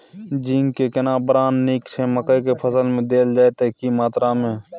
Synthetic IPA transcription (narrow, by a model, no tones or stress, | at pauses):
d͡ʒiːŋɡkekɪnaːbɾaːnːiːkseməkəikepʰəsəlmẽd̪eːld͡ʒaːet̪eːkimaːt̪ɾamẽː